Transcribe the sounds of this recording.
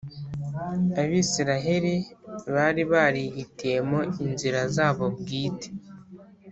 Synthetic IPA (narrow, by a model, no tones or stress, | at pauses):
aβiːsiɾaɦe̞ɾiβaɾiβaːɾiɦitije̞moinziɾazaːβo̞bɡiːte̥